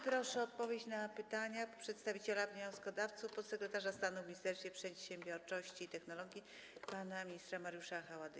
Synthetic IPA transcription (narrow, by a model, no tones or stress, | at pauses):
pɾɔʂɛɔt̪̚pɔvʲjet͡ɕnapɘt̪aɲapʂɛt̪st̪avʲit͡ɕɛlavʲɲɔ̃w̃skɔd̪aft̪sufpɔt̪sɛkɾɛt̪aʐast̪anuvmʲɲist̪ɛɾsfʲɛpʂɛt̪ɕẽmbʲjɔɾt͡ʂɔɕt͡ɕiːt̪ɛxnɔlɔɡʲji | panamʲiɲist̪ɾamaɾjuʂaxawad̪ɘ